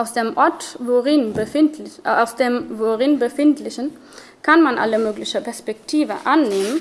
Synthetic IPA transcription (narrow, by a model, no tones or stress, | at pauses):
ʔaʊsd̥eːmʔɔɐtvoʁɪnbəɪtaʊsd̥eːmvoʁɪnbəfɪntlɪçən | kʰanmanʔa̰ləmøːklɪçəpɛɐspɛktʰiːvə̰ʔanːeːmən